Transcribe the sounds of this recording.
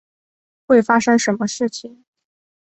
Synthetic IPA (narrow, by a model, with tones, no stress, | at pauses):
xwe˥˩ɪfa˥ʂɤ˥ŋʂə˧˥nmə˧ʂɻ̩˥˩t͡ɕʰi˨˩ŋ